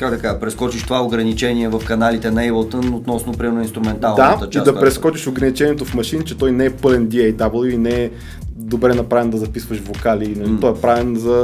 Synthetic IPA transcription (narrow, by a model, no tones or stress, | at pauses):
kaɡd̪ɐkaʒəpɾɛskɔt͡ʃiʃt̪ovaoɡɾɐnit͡ʃɛnʲiɛvɐfkɐnalit̪ɛnɐɛjbət̪ənot̪nɔsnʊpɾimɛɾnʊinst̪ɾʊmɛnt̪alˠnd̪at̪t͡ʃiad̪ɐpɾɛskkɔt͡ʃiʃoɡɾɐnit͡ʃɛniɛt̪ofmɐʃint͡ʃɛt̪ɔjnɛɛpɤlɛnd̪iɛjd̪abəlˠoinɛɛ | d̪obɾɛnɐpɾavɛnd̪ɐzɐpisvəʃvokalinɐlit̪ɔɛpɾavɛnzɐ